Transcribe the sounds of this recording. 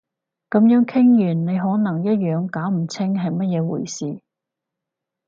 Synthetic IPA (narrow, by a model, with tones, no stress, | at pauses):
kɐ˨˥mjœː˨˥ŋkʰɪ˥ŋjyː˨˩nne˨˧jɦɔː˨˥nɐ˨˩ŋjɐ˥t̚jœː˨˧ŋkaː˨˥wm̩˨˩t͡sʰɪ˥ŋɦɐ˨jmɐ˥t̚jɛː˨˧wṵː˨˩jsiː˨